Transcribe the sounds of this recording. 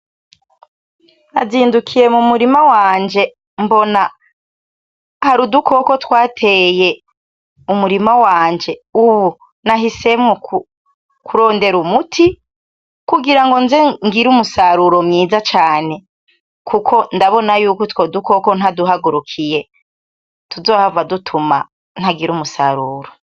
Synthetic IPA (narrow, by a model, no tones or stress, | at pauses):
naziːndukʰije̞mumuɾimawaːɲd͡ʒe̞ | mbo̞na | haɾuduko̞ko̞twaːtʰeje̞ | umuɾimawaːɲd͡ʒe̞uβu | naɦise̞mŋok | kʰuɾo̞ːnde̞ɾumutʰi | kuɡiɾaŋɡo̞nzeŋɡiɾumusaɾuɾomɲiːzat͡ʃaːne̞ | kʰukʰo̞ndaβo̞najuːkotwo̞duko̞ko̞n̥haduɦaɡuɾukʰije̞ | tuzo̞ːhavadutʰuma̰ | n̥haɡiɾumusaɾuːɾo